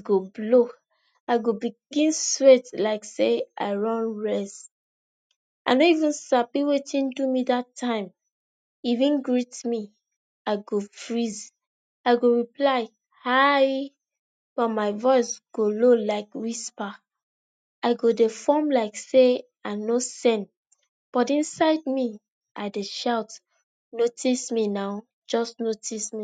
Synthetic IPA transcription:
ɡoblo | aɪɡobiɡĩnswetlaɪkseaɪɹɔ̃nɹɛst | a̰ɪnoivĩnsapiwetĩndumidatʰːãɪ̃m | ivĩnɡɹitmi | aɪɡofɹiz | aɪɡoɹiplaɪ | haj | b̥ɔtmaɪvɔɪsɡ̥ololaɪkwispa | aɪɡodefɔmlaɪkse | aɪnosɛ̃n | b̥ɔtĩnsaɪd̚mi | ʔaɪdeʃaʊt | notʰisminaʊ | d͡ʒɔsnotʰismi

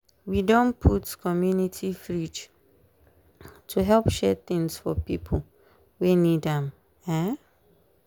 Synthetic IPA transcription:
widõnpʰutkʰɔmjunitʰifɹit͡ʃ | tʰuɦɛlˠpʃɛθɪ̃ŋsfɔ̰pipʰl̩ | wenidãm | ɛ

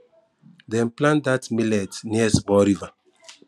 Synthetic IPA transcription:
dɛ̃nplãndatmilɛtniɛsbɔɾiva

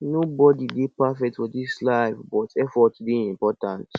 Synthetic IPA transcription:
nobɔdidepafɛk̚tfɔdislaɪvbɔtɛfɔtdeĩmpɔtãnt

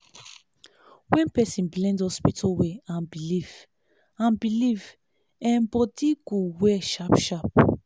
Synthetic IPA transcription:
wɛ̃npɛsĩnblɛ̃ndɔspitʰɔweãnbiliv | ãnbiliv | ɛ̃mbɔdiɡ̥owɛʃapʃap

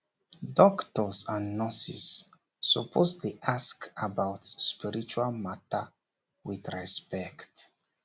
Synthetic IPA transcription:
dɔktɔsãnːɔsisː | ɔpʰosdeʔaskabawtspiɹit͡ʃualmata | wiθɹɛspɛkt

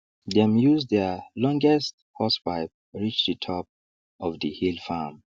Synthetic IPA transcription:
dɛ̃mjuzdɛlɔ̃ŋɡɛsthɔspaɪp̚ɹit͡ʃdətʰɔp̚ | ɔvdəhilfam

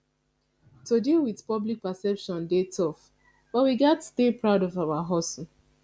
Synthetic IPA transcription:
todilwiðpɔblik̚pasɛpʃɔ̃ndetʰɔf | b̥ɔtwiɡɛtstepɹaʊdɔvaʊwaɦɔs̩

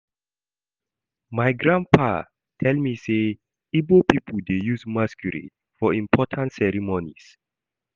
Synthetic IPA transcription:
majɡɹãnpʰa | tʰɛlmise | ibopipʰəldejusmaskjuɹḭ | fɔĩmpʰɔtʰãntsɛɹimonḭs

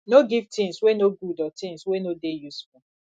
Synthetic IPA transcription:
noɡivtĩŋswenoɡudɔtĩŋswenodejusfu

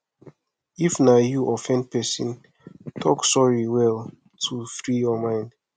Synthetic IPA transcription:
ifnajuʔɔfɛ̃npɛsḭ̃n | tʰɔksɔɹiwɛl | tʰufɹijɔmãɪ̃nd

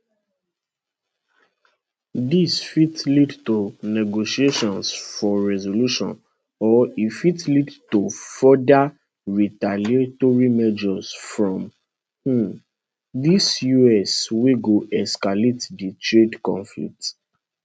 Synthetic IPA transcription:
disfitlidtonɛɡoʃieʃɔ̃nsfɔɹɛzoluʃɔ̰̃n | ɔifitlidtofɔda | ɹitaletoɹimɛd͡ʒɔsfɹɔ̃m | h̩ | disjuɛsweɡoʔɛskaletditɹedkɔ̰̃nflḭk̚t

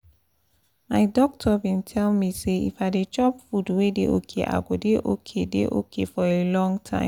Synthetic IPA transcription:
maɪdɔk̚tʰɔvĩntʰɛlmiseḭfadet͡ʃɔpfudwedeo̰kʰḛʔa̰ɡodeʔokʰedḛʔo̰kʰefɔelɔ̃ŋɡtʰã̰ɪ̃m

